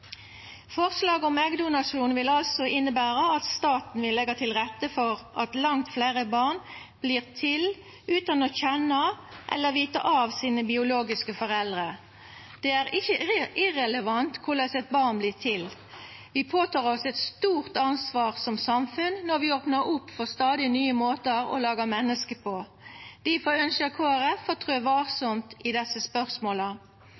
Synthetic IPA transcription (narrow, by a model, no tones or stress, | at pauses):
fɔʁslɑːɡəɔmɛɡd̪ʊnɑʂuːnʋɪlɑlsɔɪnːəbæːʁəɑt̪st̪ɑːt̪n̩ʋɪlɛɡɑt̪ʰɪlʁɛt̪ːəfɔʁʔɑt̪lɑŋt̪fleːʁəbɑʁn | b̥liːʁt̪ʰɪl | ʉːt̪ɑnoːçɛnɑʔɛ̰lːəʁʋiːt̪ə̰ʔɑːʋsiːnəbɪʊloːɡɪskəfɔʁɛld̪ʁə | d̪̥ɛːæːʁɪçəʔɪʁɛləʋɑnt̪kʰʊʁlɛsɛt̪̚bɑʁnbliːʁt̪ʰɪl | ʋɪpʰoːt̪ʰɑːʁɔsɛt̪st̪uːʁt̪ɑnsʋɑːʁsɔmsɑmfʉnnɔʁʋɪoːpnəɾʊpːfɔst̪ɑːd̪ɪnyːəmoːt̪əɾɔ̰lɑːɡɑmɛnːəskəpʰɔ | d̪̥ifɔœnskəkʰoːæʁɛfːɔt̪ʰʁøːʋɑːʁsɔmt̪ɪd̪ɛsːəspœʁsmoːlə